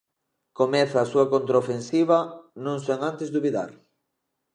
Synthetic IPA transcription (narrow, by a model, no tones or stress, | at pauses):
komɛθaːsuakont̪ɾaofensiβɐnõŋseŋãnt̪ezd̪uβiða̰ɾ